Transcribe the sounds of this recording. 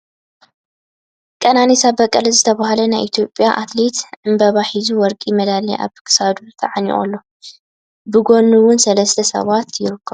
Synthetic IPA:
kʼɐnanisabɐkʼːɐlɐzɨt̪ʰɐβahalɐnajʔit̪ʰijo̞pʼjaʔat̪let̪ʕɨmbɐβaħizuwɔɾkʼimɐd̪aliʔa̰βkʰɨ̥sad̪ut̪ʰɐʕanḭχʼo̰lːo̞ | bɨɡo̞nuwʊnsɐlɐst̪ʰɐsɐ̰βat̪jɪɾɨkʰːɐβ

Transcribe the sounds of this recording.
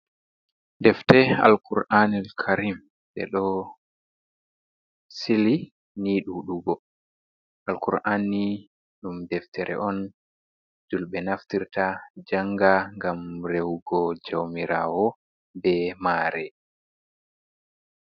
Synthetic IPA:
dɛftɛa̰lkuɾʔanɛlkʰaɾim | ɓɛ̰ɗɔ | sili | niːɗuɗuɡɔ | ʔalkuɾʔani | ɗumdɛftʰɛɾʔɛ̰ʔɔn | d͡ʒulɓɛnaftiɾtad͡ʒaŋɡaŋɡamɾewɡɔd͡ʒawmiɾawɔ | bɛmaːɾɛ

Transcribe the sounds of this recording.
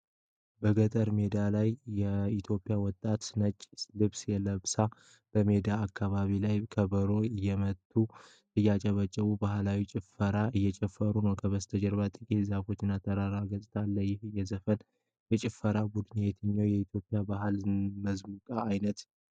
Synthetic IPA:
bəɡət̪ʼəɾme̞d̪alajːɛit̪ʰjo̞pʼːɪjawɔt̪ʼːat̪nət͡ʃʼːlɨβsjɛləβsa | b̥əme̞d̪aːkːaβaβilajkʰəbəɾo̞ɨjːɛmət̪ʼːu | t̪ʼɨjat͡ʃʼɛβət͡ʃʼəβubahlawit͡ʃʼɪfəɾaʔɨjːɛt͡ʃʼɛfːəɾunəwkʰəβəst̪ʰəd͡ʒɛɾβat̪ʼɨkʼizafo̞t͡ʃːɪnːat̪ʰəɾaɾaɡət̪ʼt̪ʰalːəjɪhɨjːɛzəfən | jɛt͡ʃʼɪfːəɾabud̪ɨnjet̪ʰɨɲːawjɛit̪ʰjo̞pʼɪjabaɦɨlməzmukʼaːjnət̪

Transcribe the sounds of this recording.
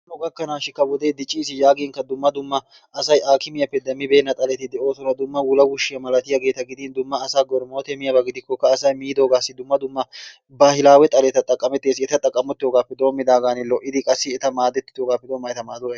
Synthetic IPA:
nɔɡɐkːɐnaːʃɪkɐwɔd̪e̞ːd̪ɪt͡ʃʼːiːsɪjaːɡɪːŋkɐd̪ʊmːɐd̪ʊmːɐ | ʔɐsɐjʔaːkɪmɪjɐpːɛd̪ɛmːɪbe̞ːnːɐt̪ʼɐlɛt̪ːɪd̪ɛo̞ːsɔnɐd̪ʊmːɐwʊlɐwʊʃːɪjɐmɐlɐt̪ɪjɐɡe̞ːt̪ɐɡɪd̪iːnd̪ʊmːɐːsaːɡɔɾmoːt̪ɛmɪjɐbɐɡɪd̪ɪkːɔkːɐːsɐjmiːd̪o̞ːɡaːsːɪd̪ʊmːɐd̪ʊmːɐ | baːhɪlaːwɛt̪ʼɐlɛt̪ɐt̪ʼɐkʼːɐmɛt̪ːeːs̬ɪɛt̪ɐt̪ʼɐkʼːɐmɔt̪ːɪjoːɡaːpːɛd̪o̞ːmːɪd̪aːɡaːnɪlɔʔɪd̪ɪkʼɐsːɪɛt̪ɐmaːd̪ɛt̪ːɪt̪joːɡaːpːɛd̪o̞ːmːɐjɛt̪ɐmaːd̪oɐ

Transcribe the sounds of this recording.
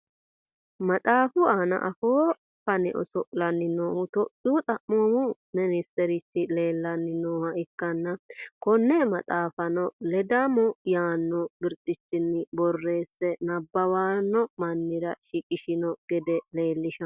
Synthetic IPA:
mɐt̪ʼaːfʊaːnɐ̰ʔɐfoː | fɐnɛ̰ʔɔ̰sɔʔʼlɐnːɪnoːhʊt̪ɔʔuːt̪ʼɐʔːoːmʊ | mɪnɪst̪ɛɾɪtːɪle̞ːlːɐnːɪnoːhɐʔɪkːɐnːɐkɔnːɛmɐt̪ʼaːfɐnɔlɛd̪amɔjaːnːɔbɪɾt̪ʼːɪt͡ʃːɪnːɪbɔrːe̞ːsːɛnɐbːɐwaːnːɔmɐnːɪɾɐʃɪkʼɪʃɪnɔɡ̥ɛd̪ɛle̞ːlːɪʃɐ

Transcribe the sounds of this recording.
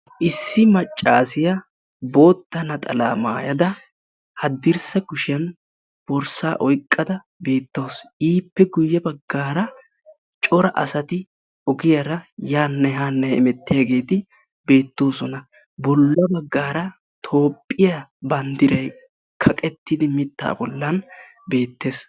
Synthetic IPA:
ʔɪsːɪmɐt͡ʃʼːaːsɪjɐ | bo̞ːt̪ːɐnɐt̪ʼɐla̰ːma̰ːjɐd̪ɐ | hɐd̪ːɪɾsɐɡʊʃɪɐn | b̥ɔɾsaːʔɔjkʼːɐd̪ɐ | be̞ːt̪ːo̞ːsʔiːpːɛɡʊjːɐbɐɡːaːɾɐ | t͡ʃʼɔɾɐʔɐ̰sɐt̪ɪ | ɔɡɪjɐɾɐjaːnːɐɦaːnːɐjɛmɛt̪ːɪjɐɡe̞ːt̪ɪ | be̞ːt̪ːo̞ːsɔnɐ | bɔlːɐbɐɡːaːɾɐ | t̪ʰo̞ːpʼːɪjɐbɐnd̪ɪɾɐj | kʰɐkʼɛt̪ːɪd̪ɪmɪt̪ːa̰ːbɔlːɐn | be̞ːt̪ːe̞ːs

